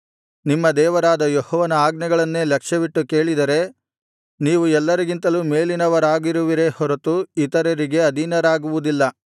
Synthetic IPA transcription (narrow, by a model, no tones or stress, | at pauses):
nimːɐd̪ɛːʋɐɾaːd̪ɐjɔhɔːʋɐnɐaːɡnɛɡɐɭɐnːe̞ːlɐkʂɐʋiʈːuke̞ːɭid̪ɐɾe̞ | niːʋuɛlːɐɾiɡint̪ɐluːme̞ːlinɐʋɐɾaːɡiɾuʋiɾe̞hɔɾɐt̪uit̪ɐɾɐɾiɡe̞ɐd̪ʱinɐɾaːɡuʋud̪ilːɐ